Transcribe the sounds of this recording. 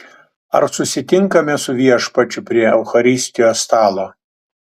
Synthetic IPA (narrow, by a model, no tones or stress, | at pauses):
ɐ̰ɾsʊsʲɪt̪ʲɪŋkɐmʲɛsʊʋʲiɛʃpɐt͡ʃʲʊpʲɾʲiɛɛʊxɐɾʲɪsʲt̪ʲɪjoːst̪ɑːlˠoː